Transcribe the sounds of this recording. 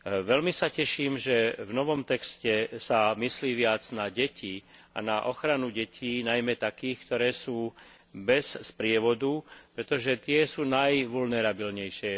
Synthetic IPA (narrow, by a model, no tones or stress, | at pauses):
ʋɛlmisacɛʃiːmʒɛvnɔʋɔmt̪ɛkscɛsamisliːʋɪad͡znaɟɛcʰiː | a̰naʔɔxɾanuɟɛcʰiːnajmɛt̪akiːxkt̪ɔɾɛːsuː | bɛsspɾɪɛʋɔd̪upɾɛt̪ɔʒɛt̪ɪɛsuːnajʋulnɛɾabilɲɛjʃɪɛ